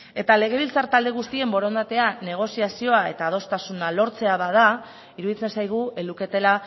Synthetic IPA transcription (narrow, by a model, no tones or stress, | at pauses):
e̞t̪ale̞ɣ̞e̞β̞ilt͡saɾt̪ald̪e̞ɣ̞ust̪ie̞mbo̞ɾo̞nd̪at̪e̞ane̞ɣ̞o̞siasio̞ae̞̰t̪aːð̞o̞st̪asunalo̞ɾt͡se̞aβað̞a | iɾuðit͡se̞nsajɣ̞ue̞luke̞t̪e̞la